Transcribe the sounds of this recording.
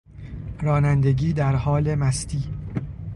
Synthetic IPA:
ɾɒːnænd̪e̞ɡiːd̪æɾhɒːle̞mæst̪ʰiː

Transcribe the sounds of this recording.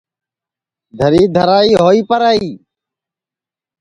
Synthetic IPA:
d̪ʱəɾiːd̪ʱəɾaːiːɦoːiːpəɾaːiː

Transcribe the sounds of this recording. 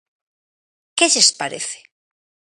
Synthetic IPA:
keʎespaɾḛθe̥

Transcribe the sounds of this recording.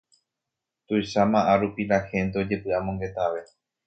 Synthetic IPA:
t̪ujʃamãʔaɾupilahẽ̞nt̪eo̞d͡ʒe̞pɨamõŋɡe̞t̪aʋe̞

